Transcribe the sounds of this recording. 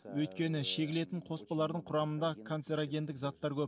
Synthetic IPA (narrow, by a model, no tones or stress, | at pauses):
wɵjt̪kʲe̞nɪʃe̞kʲɪle̞t̪ɪɴqʰo̞spɑlˠɑɾd̪əɴqʰʊɾɑmənd̪ɑkʰo̞nt̪se̞ɾaɡʲe̞nd̪ɪkzɑt̪ːɑɾkʲʰɵp